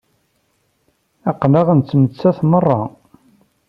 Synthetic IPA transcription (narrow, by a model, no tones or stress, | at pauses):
ɑqləʁənt͡sːmət͡sːæθmərˤːɑ